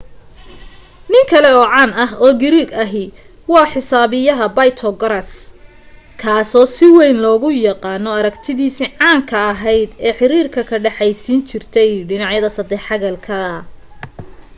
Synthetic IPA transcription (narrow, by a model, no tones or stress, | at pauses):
nɪŋkʰɐlɛɔːʕɑːnɐɦɔːɡɪɾiɡɐɦɪ | wɑːħɪsaːβɪjɐɦɐbɐjt̪ʰɔɡɐɾɐs | kʰaːsɔːsɪwɛjnlɔːɣʊjɑqɑːnɔɐɾɐɡt̪ʰɪðiːsiʕɑːŋkʰɐɐɦɛjd̪ɛːħɪɾiːrkʰɐkʰɐɖɛħɑjsiːnt͡ʃʰɪrt̪ʰɛjɖɪnɑʕjɐðɐsɐd̪ɛħɑɣɐlkʰɐ